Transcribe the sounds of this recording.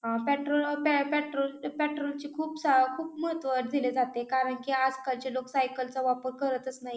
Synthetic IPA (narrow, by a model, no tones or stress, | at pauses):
ɦãpɛʈɾolpɛpɛʈɾolpɛʈɾolt͡ɕiːkʰuːpsakʰuːpməɦət̪ʋəɾd͡zʱiled͡zat̪ekaɾəɳkiːad͡zkaɾt͡ɕeloksajkəlt͡saʋapəɾkəɾət̪ət͡snaɦj